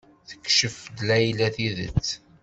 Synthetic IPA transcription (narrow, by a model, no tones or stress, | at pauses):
θə̥kːʃəfd̪læjlæθiðət͡sː